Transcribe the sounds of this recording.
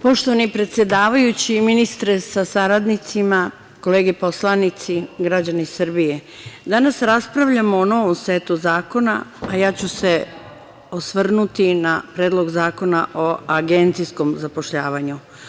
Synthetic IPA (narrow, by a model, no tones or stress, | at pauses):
po̞ʃt̪o̞ʋanipɾet̪sje̞d̪aːʋajut͡ɕiminist̪ɾesasaɾad̪nit̪sima | ko̞le̞ːɡepo̞slˠanit̪siɡɾad͡ʑanisrbije | d̪anasɾaspɾaʋʎamoːno̞ʋomsʋet̪uzaːko̞na̰ajaːt͡ɕuse | osʋr̩nut̪inapɾeːd̪lˠo̞ɡzaːko̞naʔoaɡe̞nt̪sisko̞mzapo̞ʃʎaːʋaɲu